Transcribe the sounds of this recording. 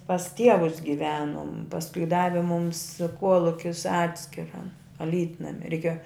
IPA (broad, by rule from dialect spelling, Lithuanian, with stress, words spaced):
pɐs ˈtʲiɛʋʊs ɡʲɪˈʋʲæːnʊm pɐsˈkʊɪ ˈdɑːʋʲɪ mʊms ˈkuɔlˠʊkʲɪs ˈɑːtʲsʲkʲɪrɐ ɐˈlʲiːtnɐmʲɪ rʲɛɪˈkʲeːjoː